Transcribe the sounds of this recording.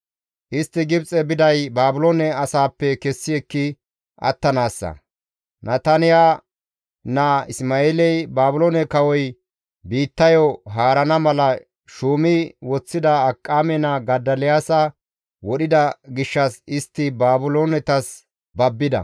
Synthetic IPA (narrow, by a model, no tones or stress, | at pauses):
ʔɪst̪ːɪɡɪbt͡sʼɛbɪd̪ɐjbaːbʊlonɛɐsaːpːɛkɛsːɪɛkːɪ | ʔɐ̰t̪ːɐnaːsːɐ̰ | nɐt̪ɐnɪja | nɐɪsmaːeːlɛjbaːbʊlonɛkɐwɔj | biːt̪ːɐjɔɦaːɾɐnɐmɐlɐ | ʃuːmɪwɔt͡sːɪd̪ɐːkʼːaːmɛnɐɡɐd̪ːɐlɪjaːsɐ | wɔɗɪd̪ɐɡɪʃːɐsɪst̪ːɪbaːbʊlonɛt̪ɐs | bɐbːɪd̪ɐ̰